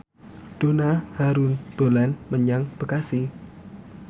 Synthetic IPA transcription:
d̥onahaɾund̪̥olanməɲaŋb̥əkasi

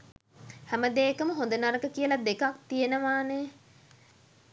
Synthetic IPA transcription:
hæməd̪eːkəməɦõnd̪ənaɾəkəkijəlad̪ekak̚t̪ijenəʋaːne

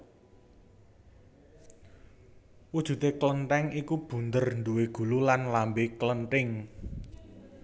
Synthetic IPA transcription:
wud̥ʒ̥ṳt̪eklənʈɛŋikub̥ṳnd̪ərnd̪uweɡ̥ṳlulanlambeklənʈɪŋ

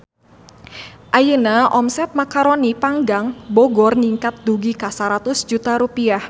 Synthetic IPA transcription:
ʔajənaʔɔmsɛt̪̚makaɾonipaŋɡaŋbɔɡɔrniŋkat̪̚d̪uɡikasaɾat̪ʊsd͡ʒut̪aɾupiah

